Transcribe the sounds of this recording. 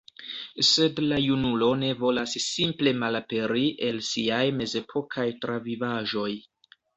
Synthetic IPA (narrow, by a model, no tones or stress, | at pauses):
se̞dlajunulo̞ne̞vo̞lasːimple̞malape̞ɾiʔe̞lsiajme̞ze̞pʰo̞kʰajtɾavivaʒo̞j